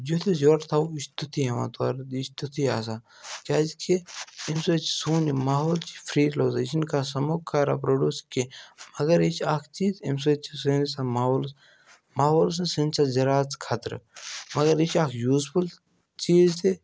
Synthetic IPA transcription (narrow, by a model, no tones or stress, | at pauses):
d͡ʒot̪ʰezoɾt̪ʰawist̪ut̪ʰiema̰ːt̪a̰ɾd̪ist̪ut̪ʰiaːs̬a | kʲaːzkʰeimsot͡ʃsuːnimaːɦoːlt͡ʃi̥fʰɾiːloːzit͡ʃʰinkasɐmoːkʰːaːɾa̰pɾoːɖuːskimɐɡɐɾit͡ʃʰaːkʰt͡ʃiːt̪ims̬ot͡ʃʰisenisamaːɦoːls | maːɦoːls̬nsenʲsazɐɾaːt͡skʰat̪ɾmɐɡɐɾit͡ʃʰaːkʰjuːzpʰul | t͡ʃiːzt̪e